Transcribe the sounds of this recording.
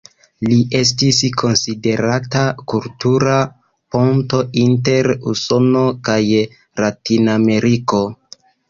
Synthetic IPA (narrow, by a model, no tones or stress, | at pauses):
liʔe̞s̬tiskʰo̞nside̞ɾatakultuɾa | po̞nto̞inte̞ɾuso̞no̞kaj | latiname̞ɾiko̞